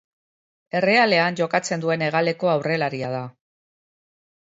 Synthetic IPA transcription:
e̞re̞ale̞anʝo̞kat͡se̞nd̪ue̞ne̞ɣ̞ale̞ko̞awre̞laɾiað̞a

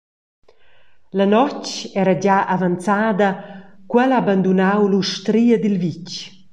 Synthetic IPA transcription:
lanɔt͡ʃɛɾad͡ʒaʔavant͡saːd̪ɐkwɛlaband̪unawluʃt̪ɾiːɐd̪ilvit͡ʃ

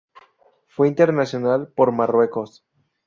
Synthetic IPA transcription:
fweint̪e̞ɾnasjonalpo̞ɾmarwe̞ko̞s

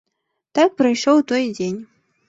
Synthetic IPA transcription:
t̪ak̚pɾɐjʂɔwt̪ɔjd͡zʲenʲ

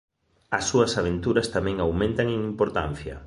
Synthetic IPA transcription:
ɐsːuɐsaβ̞ent̪uɾɐst̪amɛ̃ŋawmẽnt̪aŋeŋimpoɾt̪a̰n̟θjɐ̰

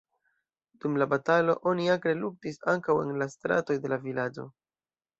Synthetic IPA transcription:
d̥umlabatalo̞̰ʔo̞niakɾeluk̚tisaŋkawe̞̰nlastɾa̰to̞jde̞lavilad͡ʒo̞̰

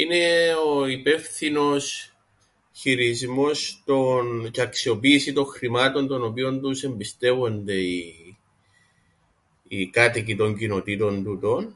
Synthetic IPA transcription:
ine̞oipe̞fθino̞s | çiɾizmo̞st̪onceɐksio̞piːsit̪o̞ŋxɾimɐt̪o̞nt̪o̞no̞pio̞nt̪use̞mbist̪e̞vo̞nd̪e̞i | kɐt̪icit̪o̞ɲcino̞t̪it̪o̞nt̪ut̪o̞n

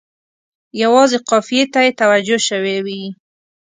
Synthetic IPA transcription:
jawɑzeqɑfijet̪ajet̪awad͡ʒoʃəwewi

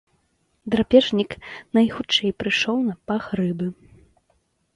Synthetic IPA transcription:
d̪ɾapʲɛʐnʲiknɐjxut͡ʂɛjpɾɨʂɔwnɐpaxrɨbɨ

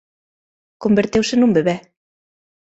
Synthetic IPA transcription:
kombĕɾt̪ewʃɘ̆numbɘ̆βæ

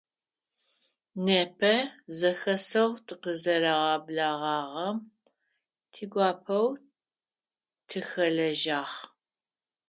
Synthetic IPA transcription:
neːpʰɐzɐxɐsɐwtʰɨqəzɐɾɐʁɑːblaːʁɑːʁɐm | tʰiːɡʷɑːpʰɐw | tʰɨxɐɮɐʒaːχ

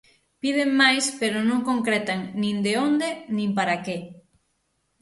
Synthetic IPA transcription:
pið̞emmajspeɾonõŋkoŋkɾɛt̪aŋnĩnd̪eond̪enĩmpaɾake

